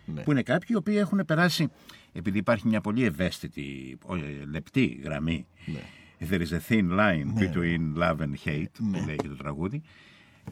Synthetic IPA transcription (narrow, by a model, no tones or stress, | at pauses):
puine̞kɐpçiio̞piːe̞xune̞pe̞ɾɐsie̞piðiːpɐɾçimɲɐpo̞ʎie̞ve̞st̪it̪ḭole̞pt̪iɣɾɐ̰mḭ | ðeɾizeθinlɐjnbit̪uinlɐvençejt̪puleʝit̪ot̪ɾɐɣuði